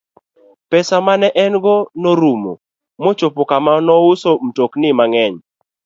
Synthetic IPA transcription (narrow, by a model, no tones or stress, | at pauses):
pɛsamanɛʔɛnɡɔnoɾumo̰ | mot͡ʃopokamanɔusom̩toknɪmaŋɛɲ